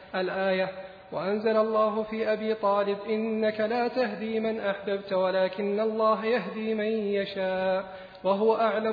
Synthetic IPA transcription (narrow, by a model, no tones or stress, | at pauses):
ʔalʔaːja | waʔanzalalˤːɑːɦʊfiːʔabiːt̪ˤɑːlɪbʔɪnːakalaːt̪aɦd̪iːmanʔaħbabt̪walaːkɪnːalˤːɑːɦajaɦd̪iːmanjaʃaːʔ | waɦʊwaʔaʕla